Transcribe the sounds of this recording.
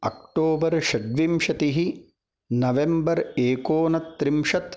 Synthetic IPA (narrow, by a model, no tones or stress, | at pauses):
ɐ̰kʈoːbɐɾʃɐɖʋimʂɐt̪iɦi | nɐʋembɐɾeːkoːnɐt̪ːɾimʂɐt̪